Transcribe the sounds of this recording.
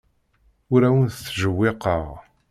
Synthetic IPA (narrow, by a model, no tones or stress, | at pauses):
ʊɾæwənθθʒəwːɪqəʁ